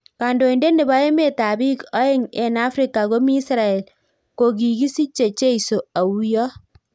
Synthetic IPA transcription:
ka˨ndo˨i˨nde˦nde˨ba˦e˦me˦ta˨bi˦kɔ˦e˦ŋḛ˨na˦fɾi˦kːa˨ko˦miː˦sɾa˨e˨l | ko˨ɡ̬i˨ɡi˦si˦t͡ʃe˨t͡ʃe˦iso˨a˨wjɔ˦

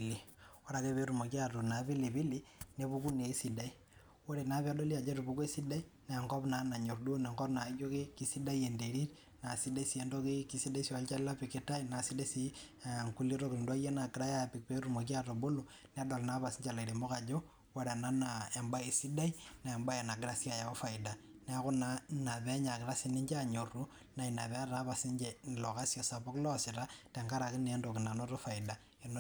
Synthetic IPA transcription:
li˨wa˦ɾa˨ke˦pe˦ɾu˨mo˨ki˦a˦to˨na˨βi˦li˨bi˦li˦ne˦βu˦ku˦ne˨˦si˨da˦i˦ | wo˦ɾe˨na˨˦pa˦do˦li˦a˨d͡ʒo˦ɾi˨bu˦ke˦si˦da˦i˦ | na˨ŋɡo˦bna˨˦na˨ɲo˨rdu˦ne˨ŋɡɔ˦pna˨˦d͡ʒo˦ke˦ki˦si˦da˦i˦e˨nde˨ɾi˦t | na˨si˦da˦i˦si˨e˦ndo˦ke˦ki˦si˦da˦i˦si˨wa˨˦lt͡ʃa˦lla˦pi˨ke˦ta˦ina˨si˦da˦si˦˨ŋku˦li˦ɾo˦kɾi˨ndwa˦je˦na˨ki˨ɾa˦ja˦˨pi˨k̚pe˦ɾu˨mo˨k̬i˦a˦to˨bo˦lu˨ | nɛ˦a˦do˨lna˦βa˨si˦ɲd͡ʒa˨la˨i˨ɾe˨mo˦ɣa˨d͡ʒo˦ | wa˦ɾa˨na˦nae˨mba˦i˨si˦da˦i˦na˨ɛ˨mba˦je˨na˨ɡɪ˨ɾa˦si˦a˦˨ja˨o˦fa˨ɪ˨da˨ | nɛ˦a˦ɣʊ˦nana˨βɛ˦ɲa˨kɪ˨ɾa˦si˦ni˦ɲd͡ʒa˦ɲo˨ru˦ | na˨i˨na˨βɛ˦a˦ɾa˦βa˨si˦ɲd͡ʒelɔ˨ka˦si˦ɔ˨sa˨po˦klɔ˦sɪ˨ɾa˦tɛ˨ŋka˦ɾa˨kɪ˦ne˦ndo˨ki˨na˨no˦ɾo˦fa˨ida˨ | e˨n

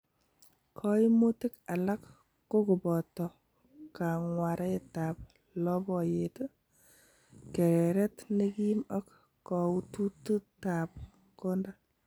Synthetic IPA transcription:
kʰɔ˦i˦mu˦tɪ˦ka˨la˦kː | o˦ku˨bɔ˨tɔ˨ | ka˨ŋwa˨ɾʔa˦e˦ta˨p̚ | lɔ˦bɔ˨je˨to˦ | kɛ˨ɾɛ˨ɾɛ˦tne˦ki˦mɔ˦k | kɔ˨u˦tu˦tu˦ta˨p̚ | ko˦nda˦

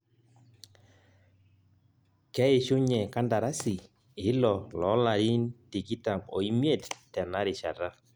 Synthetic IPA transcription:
kɛ˦e˨ʃʊ˦ɲɛ˨ka˦nda˨ɾa˦si˨ | ɪ˨˦lɔ˨lɔ˨˦la˨ɾi˦nti˨ki˦ta˨mɔ̰˨i˦mje˦˨ttɛ˨na˦ɾɪ˨t͡ʃa˨ɾa˦

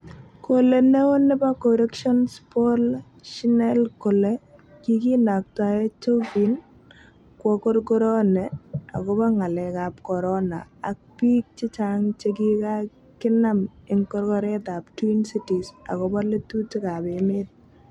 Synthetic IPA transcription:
kole˨ne˦wo˦ne˦ba˦koɾe˦kʃɔ˦nspo˦l | ʃi˦nɛ˦lko˨le˦ | kiki˦na˨k̚ta˨e˦t͡ʃo˦fi˨n | kwɔ˨ko˦rɡo˦ɾɔ˦nɛa̰˨kɔ˦ba˦ŋa˨lɛ˨kap̚kɔ˨ɾɔna̰ː˨k̚pi˦k̚t͡ʃɪ˦t͡ʃa˦ŋt͡ʃe˦k̬i˦ka˦ | kɪ˦na˦mɪ˨ŋkɔ˦ɾkɔ˦ɾɛ˦ta˨p̚twi˦nsi˦ti˨sa̰˨kɔba˦le˦tu˦tɪ˦ka˨bemɪ˦t̚

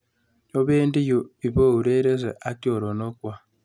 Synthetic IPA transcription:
jo˦beː˦ndi˦jo˨i˨βo˦˨u˨ɾe˦ɾe˦ze˨ʔa˦kjo˨ɾo˨no˦kwa˦˨

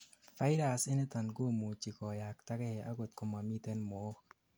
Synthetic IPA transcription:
fa˦jɾa˨sɪ˦ne˦t̪a˨nɡo˦mu˨t͡ʃi˨kɔ˨ja˨k̚ta˦kɛ˦˨ʔa̰˦ɡo˨t̪̚ko˨ma˨mi˦t̪e˦nmo˨˦k

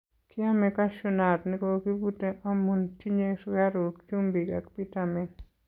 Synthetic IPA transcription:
kʰia˦meka˦ʃuna˨tni˦koki˦buteʔa˦munti˦ɲe˦sa˦ɾo˨kt͡ʃu˦mbi˨ka̰kpi˦tame˨

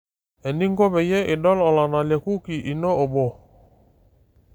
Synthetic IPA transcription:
ɛ˨ni˦ŋɡɔ˦bɛ˨jɛ˦ʔe˨dɔ˦lɔ˨la˨na˨lɛ˨ku˦ki˨ʔi˨nɔ˦o˨bɔ˦˨

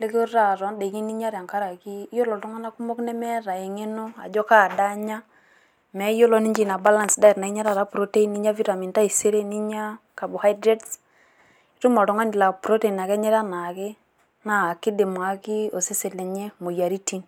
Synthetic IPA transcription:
le˦ko˦ɾa˦˨ɾɔ˨˦nde˨ki˦ni˦ɲa˦ɾja˨ŋka˦ɾa˨ki˦jo˦lɔ˨tɔ˦ŋa˦na˦ku˦mo˦knɛ˦mɛ˦ɾa˨e˨ŋe˦no˦a̰˨d͡ʒɔ˦ka˦˨da˦ɲa˦ | mɛ˨˦jo˦lo˦ni˦d͡ʒi˦˨na˨ba˦la˦nsda˦i˨tna˨i˦ɲa˦ɾa˨ɾa˦pɾo˦te˦i˦ni˦ɲa˦vi˦ɾa˨mi˨nta˦i˨se˦ɾe˦ni˦ɲa˦ka˨bo˨ha˦jdɾe˦ts | i˦ɾu˦mɔ˨tɔ˨˦ŋa˦ni˨la˨pɾo˦te˦˨i˨na˨kɛ˦ɲɛ˦ɾa˦na˨ke˦ | na˦˨ki˦de˨m˨a˨ki˦o˨se˦se˨le˨ɲe˦mo˨ja˨ɾi˦ti˦n

